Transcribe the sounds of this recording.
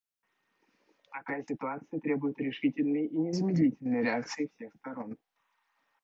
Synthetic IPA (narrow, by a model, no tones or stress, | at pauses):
t̪ɐkajəsʲɪt̪ʊat̪sɨjət̪ɾʲe̞bʊjɪt̪ɾʲɪʂɨtʲɪlʲnɨjʔinʲɪzəmʲɪd̪lʲitʲɪlʲnɨjɾʲɪakt̪sɨɪfsʲe̞xst̪ɐɾo̞n